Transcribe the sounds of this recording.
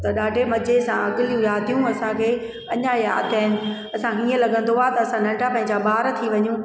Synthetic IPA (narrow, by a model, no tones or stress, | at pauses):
t̪ɐɗaːɖʱemɐd͡ʑesãɐɡɪljũjaːt̪ijũɐsãkʰeː | ɐɲaja̰ːt̪aːɪnɪ̆ | ɐsãkʰeiə̃lɐɡə̃nd̪oat̪ɐɐsãnɐ̃ɳɖapɐ̃ɦɪ̃ɲd͡ʑaɓaːɾt̪ʰiʋɐɲũ